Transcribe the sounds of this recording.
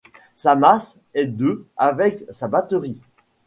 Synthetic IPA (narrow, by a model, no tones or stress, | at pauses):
samas | ɛd̪øavɛksabat̪əʁi